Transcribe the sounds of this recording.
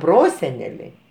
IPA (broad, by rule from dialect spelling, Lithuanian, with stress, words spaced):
ˈproːsʲɛnʲɛlʲɛɪ